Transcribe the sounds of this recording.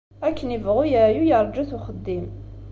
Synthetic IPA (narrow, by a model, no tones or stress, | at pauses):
ækːənivʁʊjæjujɑɾˤd͡ʒæθuχəd̪ːim